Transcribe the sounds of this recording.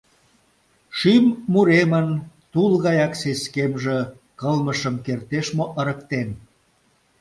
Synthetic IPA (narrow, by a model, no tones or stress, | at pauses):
ʃymːuɾemənt̪ulɣɑjɑkseskemʒə̆ | kəlməʃəmkert̪eʃmoʔəɾəkt̪en